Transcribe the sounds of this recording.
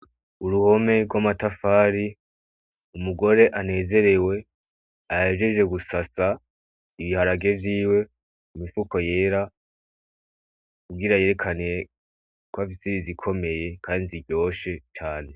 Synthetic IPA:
uɾuho̞me̞ɾɡwamatafaːɾi | umuɡo̞ɾe̞ʔane̞ːze̞ɾe̞we̞ | aheʒe̞ʒe̞ɡusasa | iβihaɾaɡe̞vjiːwe̞ | umifuko̞je̞ːɾa | kuɡɡiɾaje̞ɾe̞kʰanije | kwafisiɾizikʰo̞me̞je̞kʰaːniziɟo̞ːʃe̞t͡ʃaːne̞

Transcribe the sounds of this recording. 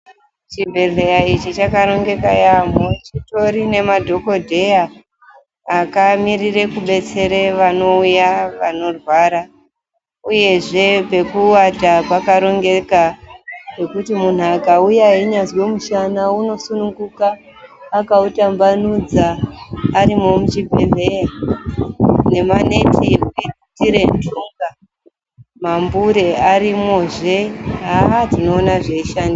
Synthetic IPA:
t͡ʃibʱe̞ɮe̞jait͡ʃit͡ʃakaɾo̞ŋɡe̞kajamot͡ʃito̞ɾine̞madʱo̞ko̞dʱe̞aː | kamirire̞kuɓe̞t͡se̞ɾe̞ʋano̞ujaʋano̞rwaɾa | uje̞ʐe̞pe̞kuwatapakaɾo̞ŋɡe̞kape̞kutimun̤uakaujaɦiɲazwe̞muʃanauno̞sunuŋɡukaː | kautambanud͡zaː | ɾimo̞mut͡ʃibʱeɮe̞ja | ne̞mane̞tʰieui | tiɾendʱuŋɡa | mambuɾe̞aɾimo̞ʐe̞ɦatino̞ːnaʐe̞iʃandi

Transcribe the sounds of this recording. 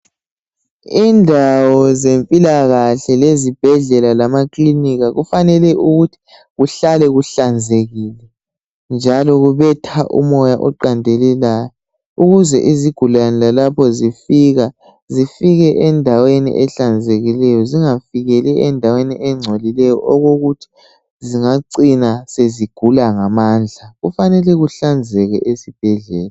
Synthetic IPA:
indʱawɔzempʼilaɣaɬɛlezib̥ʱɛɮɛlalamakʼliniɣaɣufanɛlɛʔuɣutʰi̥ | ɣuɬalɛɣuɬand͡zʱeɣiːlɛ | nd͡ʒʱalɔɣuβɛtʰaʔṵmɔjaʔɔǃandʱelilajɔ | uɣuzɛ̰ʔiziɡ̥ʱulanilalapʰɔzifiɣa | zifiɣɛʔɛndʱawenḭʔɛɬand͡zʱeɣilɛjɔziŋafiɣɛlɛɛndʱaweniʔɛŋ͡ǀʱolilɛjɔʔɔɣoɣutʰi̥ | ziŋaǀinaseziɡ̥ʱulaŋamand͡ɮʱaɣufanɛlɛɣuɬand͡zʱɛɣɛʔesib̥ʱɛɮɛːla

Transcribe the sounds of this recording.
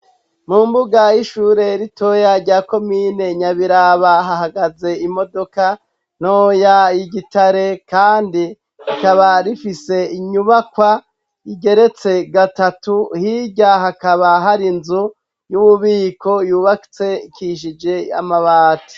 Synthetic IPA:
mumbuɡajiʃuːɾe̞ɾito̞jaɾɟaːko̞miːne̞ɲaβiɾaβaɦaɦaɡaze̞imo̞do̞ka | n̥oːjaiɡitaɾe̞kaːndi | hikaβaɾifise̞iɲuβakwa | iɡe̞ɾe̞t͡se̞ɡatatuhiɟaɦakaβaɦaɾinzu | juβuβiːko̞juːβaki̥t͡se̞kiʃ̬id͡ʒe̞ja̰maβaːti̥

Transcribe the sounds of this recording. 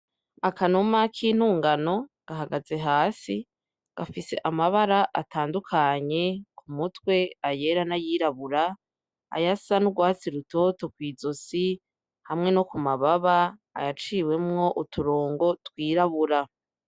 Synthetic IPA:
akanomakʰiːn̥uːŋɡano̞ɡ̥aɦaɡaze̞ɦaːsi | ɡ̥afise̞̰ʔamaβaɾaʔatʰaːndukʰaɲe̞kʰumutwe̞aje̞ɾanajiːɾaβuɾa | a̰jasanuɡwaːt͡siɾuto̞ːto̞kwiːzosi | hamŋe̞nokumaβaβa̰ːjat͡ʃiːwe̞mŋo̞ʔutʰuɾoːŋɡo̞twiːɾaβuɾa

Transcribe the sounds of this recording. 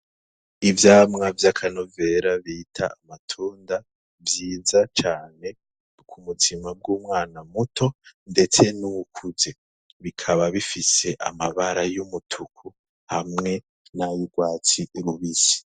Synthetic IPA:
ivjaːmŋavjakʰanove̞ɾaβiːtʰaamatʰuːnda | vjiːzat͡ʃaːne̞ | kʰumutʰimab̚ɡuːmŋaːnamutʰo̞nde̞t͡se̞nukʰuze̞ | βikʰaβaβifise̞ʔa̰maβaɾajumutʰukʰu | hamŋe̞ | najuɡwaːt͡siɾuβisi̥

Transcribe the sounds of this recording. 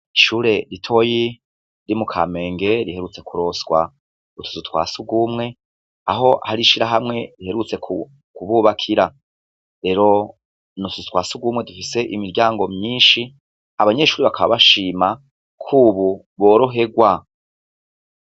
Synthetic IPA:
iʃuːɾe̞ɾitʰo̞ji | ɾimukʰa̰me̞ːŋɡe̞ɾihe̞ɾut͡se̞kʰuɾo̞sɡwa̰ | utʰu̥zutwa̰ːsuɡuːmŋe̞ | aɦo̞ʔhaɾiʃiɾaɦamŋe̞ɾihe̞ɾut͡se̞kʰu | kuβuːβakʰiɾa | ɾe̞ːɾo̞ | nutuzutwaːsuɡuːmŋe̞dufise̞ʔimiɾɟaːŋɡo̞mɲiːnʃi | aβaɲe̞ʃuːɾiβakʰaβaβaʃiːma | kʰuːβu | βo̞ːɾo̞ɦe̞ɡwa

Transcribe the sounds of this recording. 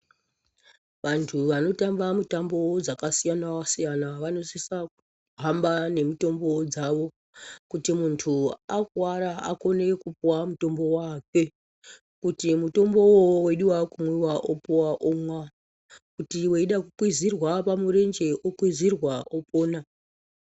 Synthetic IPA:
ʋantʰuʋano̞tambamutambod͡zakasijanawasijanaʋano̞sisak̚u | ɦambane̞mito̞mbo̞d͡zaʋo | kutimuntʰuakwaɾaa̰ko̞ne̞kupuwamuto̞mbo̞wake̞ | kutimuto̞mbo̞wowe̞ɗiwakumwiwaʔopuwaʔomwa | kutiwe̞iɗakukwizirwapamuɾe̞nd͡ʒe̞ʔokwizirwaʔopo̞ːna

